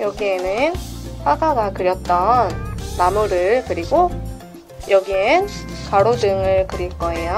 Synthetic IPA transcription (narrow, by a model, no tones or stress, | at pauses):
jʌɡie̞nɯnsʰaɡaɡakɯɾjʌt̚t͈ʌnmamuɾɯɭkɯɾiɡo | jʌɡienɯnkaɾodɯŋɯɭkɯɾiɭk͈ʌe̞jo